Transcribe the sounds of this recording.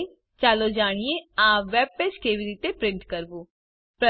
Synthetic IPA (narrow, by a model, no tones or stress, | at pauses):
t͡ʃaːlod͡ʒaːɽ̃ijeãːʋɛːb̚ped͡ʒkeːʋiɾiːt̪epɾɪ̃ɳʈkəɾbuː | pɾə